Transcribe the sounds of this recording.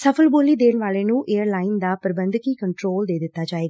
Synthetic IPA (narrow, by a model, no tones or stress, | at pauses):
səpʰəlboːliːd̪eːnʋaːleːnũːʔeːəɾlaːɪnd̪aːpəɾəbənd̪kiːkəɳʈɾoːld̪eːd̪ɪt̪ːaːd͡ʒaːeːɡaː